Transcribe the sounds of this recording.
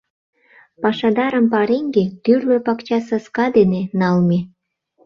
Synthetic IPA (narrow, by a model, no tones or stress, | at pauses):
pɑʃɑd̪ɑɾəmpɑɾeŋɡet̪yrløpɑkt͡ɕɑsəskɑd̪enenɑlme